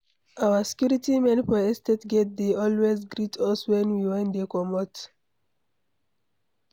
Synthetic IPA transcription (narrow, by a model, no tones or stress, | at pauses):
ʔawasi̥kjuɹitimɛ̃npɔɛstetɡɛt̚deɔlwezɡɹitʰɔswɛ̃nwiwɛ̃nd̪ekɔmɔt